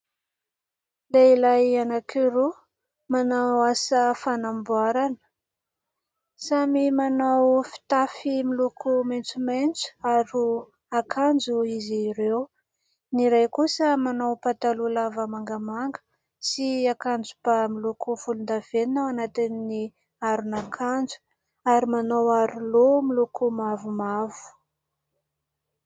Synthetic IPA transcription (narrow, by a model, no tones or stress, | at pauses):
leilajanakʰiɾu | manawasəfanambuaɾanə̥ | samimanawfi̥t̪afimilukʰumant͡sumajnt͡su̥aɾu | akʰand͡zuiziːɾew | niɾajkusəmanawpat̪alulavəmaŋɡəmaŋɡə̥ | siakand͡zupamilukufulund̪av̥eninawanat̪inni | aɾunakʰand͡zu̥ | aɾimanawaɾulomilukumavumavu̥